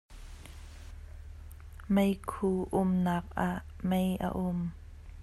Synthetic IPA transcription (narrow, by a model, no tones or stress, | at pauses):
mejkʰuːʔʊmnak̚ʔaʔmejʔa̰ʔʊm